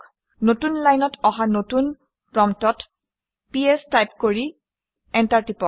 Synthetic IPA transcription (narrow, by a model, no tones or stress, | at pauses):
notunlajnɔtɔɦanotun | pɹɔmtɔt | piɛstajpkoɹi | ɛntaɹtipɔ